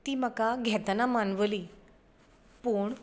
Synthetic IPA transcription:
t̪iːməkaɡʱɛt̪namanʋəli | puɳ

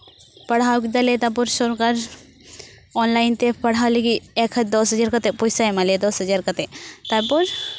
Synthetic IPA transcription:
pɐɽ̤awkid̪alet̪apɔɾsɔɾkaɾ | ɔnlajnt̪epɐɽ̤awliɡiɛkʰd̪ɔsɦəd͡ʒaɾkɐt̪epɔjsajmaled̪ɔsɦəd͡ʒaɾkɐt̪et̪apɔɾ

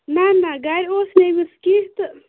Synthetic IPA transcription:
nanaɡaɾʲosnemiskiht̪ɨ

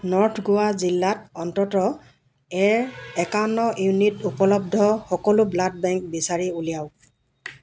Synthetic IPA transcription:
nɔɹtʰɡʊazilːatɔntɔtɔ | ɛɹɛkanːɔjunitupɔlɔb̚dʱɔxɔkɔlʊblad̚bɛŋk̚bisaɹiulijaʊ

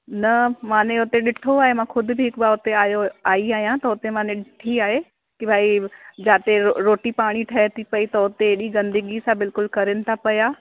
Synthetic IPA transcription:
nɐmãːneʊt̪eɗɪʈʰoaːɦemãːkʰʊd̪ʱʊbɪɦɪkbaʊt̪eaːjoaːiaːɦijãt̪ɐʊt̪emãːneɗɪʈʰiaːɦe | kibʱaːid͡ʑaːt̪eɾoːʈipaːɽ̃iʈʰɐɦet̪ʰipɐit̪ɐʊt̪eeːɗiɡɐ̃nd̪əɡisãbɪlkʊlkɐɾɪnɪ̆t̪ʰapɐjaː

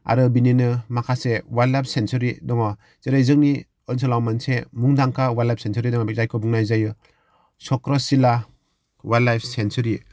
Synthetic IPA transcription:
a̰ɾɯbininɯmakʰasewalajp̚ʰsensɔɾidɔŋɔ | zeɾajzɯŋ̚ni | ɔnsɔlawmansemuŋdaŋkʰawalajp̚sensɔɾidɔŋɔbek̚zajkʰɔbuŋnajzajɯ | sɔkɾɔsila | walajpʰsensɔɾi

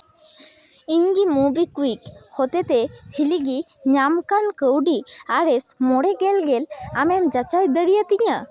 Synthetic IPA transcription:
iɲɡimubikuikhɔt̪ɛt̪ehiliɡiɲamkankəwɖiaɾɛsmɔɽɛɡɛlɡɛlamɛmd͡ʒat͡ʃajd̪əɽijət̪iɲə

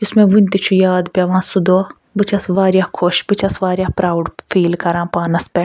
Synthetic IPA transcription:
ʊsmẽʋunt̪it͡ʃʰujaːd̪pjaʋãːsud̪oː | bɨt͡ʃʰɐsʋaːɾjakʰoʃbɨt͡ʃʰɐsʋaːɾjaːpɾaːwɖfiːlkɐɾãːpaːnɐspɛ

